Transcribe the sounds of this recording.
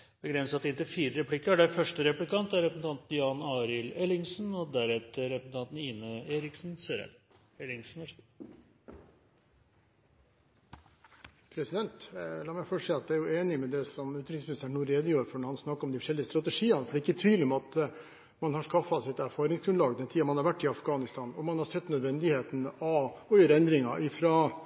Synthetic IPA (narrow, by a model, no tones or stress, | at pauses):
b̥əɡɾɛnsɑt̪ɪnt̪əfiːɾəɾɛpʰlɪkːəæɖæfœʂʈəɾɛplɪkɑnt̪æɾɛpɾsnɑnt̪n̩jɑːnɑːɾɪlɛlɪŋsn̩ɔd̪æɾɛt̪əɾɛpɾsn̩t̪ʰɑnt̪n̩iːnəeːɾɪksnsøːɾə̰ | ɛlɪŋsn̩ɔ | pʰɾɛsɪd̪ɛnt̪lɑːmæɪfɔʂiːɑt̪d̪ɛæɾjʊeːnɪmɛd̪ɛsɔmʉːt̪ɾɪsmʏnɪsæɳːuːɾeːd̪əjøːɾfɔɳɔɾhɑnsnɑkːɾɔmd̪ɪfɔʂɛlɪəst̪ɾɑt̪ɛʂiːɑnəfɔɖɛːɪkːət̪ʰyːd̪lɪɔmɑt̪ | mɑnhɑʂkɑfːɑsɪt̪æɾfɑːɾɪŋsɡɾʉnlɑːɡd̪ɛnt̪ʰiːɑmɑnhɑɾʋæʈːɪɑfɡɑːnɪst̪ʰɑːnɔmɑnhɑɾsɛt̪ːnœd̪ʋɛnd̪ɪheːt̪n̩ɑɔjøːɾəɛnd̪ɾɪŋɑʔɪfɾɑː